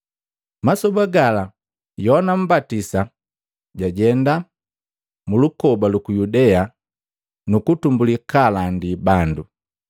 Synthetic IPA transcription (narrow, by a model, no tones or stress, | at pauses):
masɔbaɡala | jɔnam̩batisa | ɟaɟɛnda | mulukɔbalukujudɛa | nukutumbulikalandibandu